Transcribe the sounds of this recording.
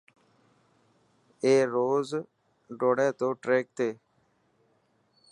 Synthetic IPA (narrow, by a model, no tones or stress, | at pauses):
eːɾoːz | ɖoːɽɛːt̪oːʈɾeːk̚t̪eː